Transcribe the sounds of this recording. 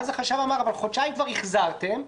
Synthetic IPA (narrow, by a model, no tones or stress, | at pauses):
zeχaʃavamaʁavalχot͡ʃaimkvaʁiχzaʁt̪em